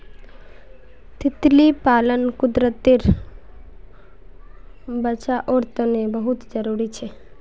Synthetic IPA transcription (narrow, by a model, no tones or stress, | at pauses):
t̪ɪt̪lipaːlənkʊd̪ɾət̪ɪɾ | bət͡ʃaʔoːɾt̪ənebəɦʊt̪d͡ʒəɾuːɾit͡ʃʰeː